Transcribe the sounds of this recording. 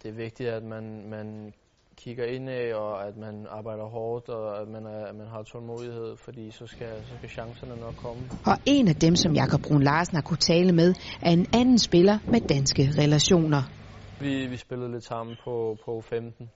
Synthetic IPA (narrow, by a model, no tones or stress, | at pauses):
d̥e̝æɐʋe̝ɡ̥̚d̥id̥æd̥mænmæn | kʰiɡ̥ɐe̝n̰ɛɒæd̥mænɑ̈ːb̥ɑ̈ɪd̥ɐɦɒːd̥ɒæd̥mænæmænɦɑ̈t͡sʰɒlmo̝̰ðˠihe̝ð̞̰ˠfɒd̥ḭːsɒ̽sɡ̥æsɒ̽sɡ̥æɕɑ̈ŋsɐnənɒɡ̥̚kʰːɒməɒ̽ʔe̝næd̥emsɒ̽mjɑ̈kʰɒ̽b̥̚ʁunlɑ̈ːsn̩hɑ̈kʰut͡sʰɛːləmeð̞ˠʔæɐe̝nænn̩sb̥e̝lɐmed̥ænsɡ̥əʁɛlæɕo̝̰ːnɐ | ʋiʋisb̥e̝lð̩ˠle̝d̥sɑ̈m̰n̩pʰɒ̽pʰɒ̽femd̥n̩